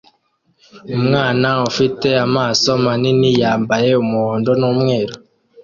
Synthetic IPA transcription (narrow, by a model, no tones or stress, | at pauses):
umŋaːnaufite̞amaːso̞maninijaːmbaje̞umuhoːndo̞nuːmŋe̞ːɾo